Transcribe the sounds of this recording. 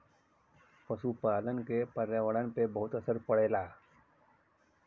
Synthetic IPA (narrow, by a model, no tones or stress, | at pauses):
pəʃupaːlənkepəɾjaʋəɽənpebəɦʊt̪əsəɾpəɽ̤eːlaː